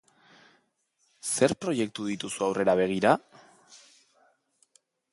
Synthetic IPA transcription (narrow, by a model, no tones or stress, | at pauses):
se̞ɾpɾo̞je̞k̚t̪uð̞it̪usuawre̞ɾaβ̞e̞ɣ̞iɾa